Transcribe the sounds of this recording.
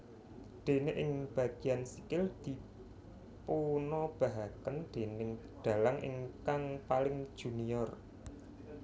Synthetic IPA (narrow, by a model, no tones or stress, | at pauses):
ɖ̪̥e̤neʔɪŋb̥ä̤ɡ̥i̤jansikɪld̪̥i̤ | punɔb̥a̤ɦakənɖ̪̥e̤nɪŋ | ɖ̪̥a̤laŋʔɪ̰ŋkaŋpalɪŋ̥ʒ̥ṳnijɔr